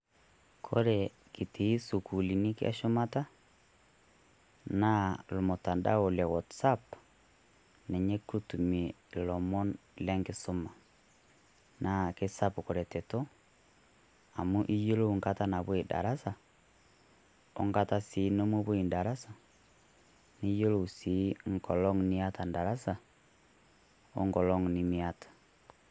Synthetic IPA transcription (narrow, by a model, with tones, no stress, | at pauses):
kʰoɾe | ki˨ti˨i˦su˨ku˨li˨ni˦kja̰˦ʃo˦mata˦ | na˦lo˨mota˨nda̰˦o˨la˨wɔtsap | nɛ˨ɲe˦ku˦tu˨me˨lɔ˨mɔ˦nle˦ŋke˦so˦ma˨ | nakesapko˨ɾɛ˨tɛto˦ | a˨mu˦ʔi˦jo˦lo˦ŋkata˦na˨βwe˦da̰˨ɾa˦sa˨ | o̰˦ŋka˦ta˦si˨no˦mo˦βwe˨nda˨ɾa˦sa˨ | ni˦jo˦lo˨si˨˦ŋkɔ˨lɔ˦ŋni˦a˦ta˨nda˨ɾa˦sa˨ | o̰˦ŋɡɔ˨lɔ˦ŋni˦miatʰḁ˨